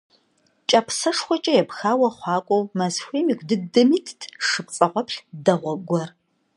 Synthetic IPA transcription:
t͡ʃʼɐpʰsɐʂxʷɔt͡ʃʼɐjɛpxaːwɐχʷɑːkʷʼɔwmɐzxʷeːmiːkʷʰʼdɨdɐmiːtʰtʰʂɨp̚t͡sʼɐʁʷɔpɬdɐʁʷɔɡʷɔr

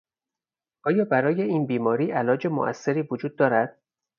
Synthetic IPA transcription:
ʔɒːjɒːbæɾɒːje̞iːnbiːmɒːɾiːʔælɒːd͡ʒe̞mo̰ʔæ̰sːe̞ɾiːvod͡ʒuːd̪̚ːɒːɾæd̪̥

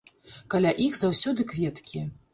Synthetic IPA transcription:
kalʲaʔixzawsʲɔd̪ɨkvʲɛt̪kʲi

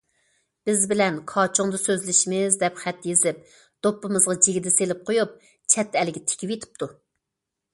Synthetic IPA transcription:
b̥ɪzbɪlɛnkʰɑːt͡ʃʰuŋd̪ɑsøzlɪʃimɪzd̪ɛpχæt̪jezɪp̚ | d̪̥opːɨmɨzʁɑd͡ʒeɡʲɪd̪ɛselɪp̚qʰojup̚ | t͡ʃʰɛt̪ːɛlɪɡʲɛt̪ʰe̥kʲʰipjet̪ʰɪ̥p̚t̪ʰu

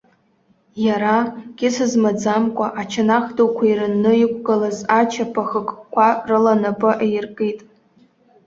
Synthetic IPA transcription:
jaɾaɡ̥ʲɪsɨzmad͡zamkʷʼaʔat͡ʃʰanaχdokʷʰairɨnːɨɪkʷʰʼɡɨlazat͡ʃʰapʰaχəkʼkʷʰarɨlanapʼɨʔejrkʼitʼ

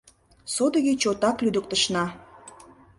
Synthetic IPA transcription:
sod̪əɣet͡ɕot̪ɑklyd̪ə̆k̚t̪ə̆ʃnɑ

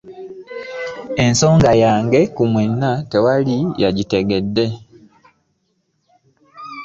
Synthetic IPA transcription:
e̞nso̞ːŋɡajaːŋɡe̞kumwenːate̞walijaɟite̞ɡe̞dːe̞

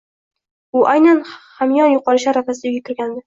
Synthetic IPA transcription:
ʊʔajnanhamjɒnjʊqʰɒɾɪʃaɾafasɪd̪ajɡʲak̪ʲʰɪɾɡʲand̪ɪ

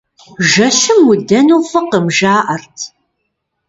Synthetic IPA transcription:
ʒɐɕɨmwʊdɐnuːfɨqəmʒaːʔɐrtʰ

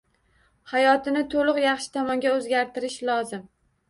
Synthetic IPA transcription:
hajɒt̪ʰɪnɪt̪ʰolˠʊqjɑχʃɪ̥t̪ʰɒmɒŋɡʲaɵzɡʲaɾt̪ʰɪɾɪʃlˠɒzɪm

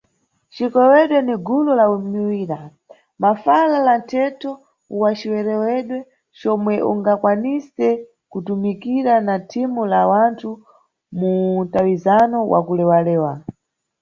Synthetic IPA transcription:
t͡ʃikɛwɛɗwɛniɡulɔlaumiwiːɾa | mafalalantʰɛtʰɔ | uwat͡ʃiwɛɾɛwɛɗwɛ | t͡ʃɔmwɛʔṵŋɡakwanisɛ | kutumikiɾanatʰimulawantʰu | muntawizanɔwʔa̰kulɛwalɛːwa

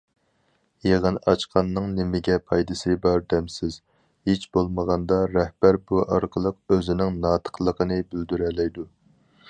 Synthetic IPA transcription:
jeʁənɑt͡ʃqʰɑnːɨŋnɪmɪɡʲɛpʰɑjd̪ɨsɨbɑɾd̪ɛmsɪz̥ | het͡ʃbolˠməʁɑnd̪ɑɾɛhb̥æɾbuʔɑɾqʰəlˠəqøzɪnɪŋnɑːt̪ʰə̥qlˠəqʰənɨbyld̪yɾɛlɛjd̪u

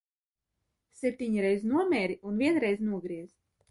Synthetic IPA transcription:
sʲep̚ʲt̪ʲiɲiɾɛjznuɔmʲɛːɾiunviɛnɾɛjznuɔɡɾiɛz

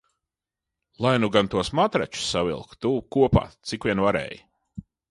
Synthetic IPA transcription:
lˠajnuɡant̪uɔsmat̪ɾa̰t͡ʃu̥savḭlˠk̪uːkuɔpa̰ːt̪sikvʲiɛnvaɾɛ̰ːji

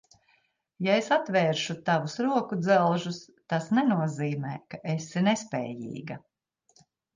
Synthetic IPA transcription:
jaesat̪vɛːɾʃut̪avusɾuɔkud̪zɛlˠʒus | t̪asnɛnuɔziːmɛːkaʔesinɛspɛ̰ːjḭːɡɐ

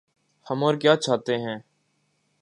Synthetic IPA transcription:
həmoːɾkjaːt͡ʃʰaːt̪eːɦɛ̃ː

